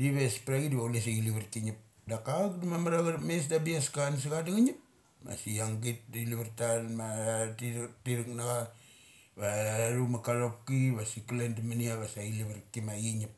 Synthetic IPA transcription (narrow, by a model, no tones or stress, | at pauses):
diβespaɾaɡidiβaules̬aɡiliβiɾkiɲip̚ | dakak̚damamaɾaɣaɾmes̬dabiaskans̬iɣadaɡaɲip | ma̰siaŋɡit̚dliβaɾtalmatitiɾiknaɡa | βaɾumakaɾop̚kiβasikilendimaniaβasailiβaɾkimaɡiɲip̚